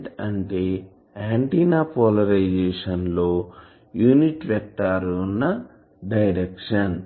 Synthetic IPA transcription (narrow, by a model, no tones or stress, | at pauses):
ʈɐɳʈeː | aːɳʈiːnaːpɔlɐɾɐjd͡ʒeːʂɐnlo̞ː | juːniʈʋɛk̚t̪ːaːɾunːɐ | ɖɐjɾekʂɐn